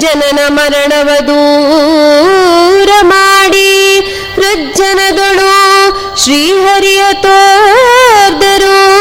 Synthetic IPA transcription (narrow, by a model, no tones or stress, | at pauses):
d͡ʒɐnɐnɐmɐɾɐɳɐʋɐd̪u | ɾɐmaːɽi | pɾɐd͡ʒd͡ʒɐnɐd̪ɐɭu | ʃɾiːɦɐɾijɐt̪oː | ɾd̪ɐɾu